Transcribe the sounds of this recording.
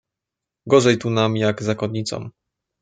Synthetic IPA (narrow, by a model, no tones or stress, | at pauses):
ɡɔʐɛjt̪unamjaɡzakɔd̪ɲit̪sɔ̰m